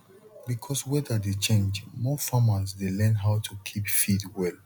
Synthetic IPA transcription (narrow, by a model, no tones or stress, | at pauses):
bikʰɔswɛðədet͡ʃẽnd͡ʒmɔfamasdelɛ̃nɦaʊtʰukʰipfidwɛl